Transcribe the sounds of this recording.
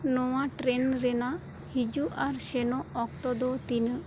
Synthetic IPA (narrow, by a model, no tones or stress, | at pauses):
nɔwaʈɾenɾɛna | hid͡ʒuʔaɾʃenɔɔk̚t̪ɔd̪ɔt̪in